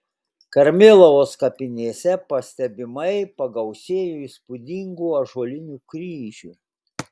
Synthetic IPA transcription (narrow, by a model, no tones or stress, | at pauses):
kɐɾʲmʲɪlˠɔʋoːskɐpʲɪnʲeːsʲɛpɐsʲt̪ʲɛbʲɪmɐɪpɐɡɐʊsʲeːjuiˑspʊd̪ʲiŋɡuɐʒuɔlʲɪnʲuːkɾʲiːʒʲṵːˑ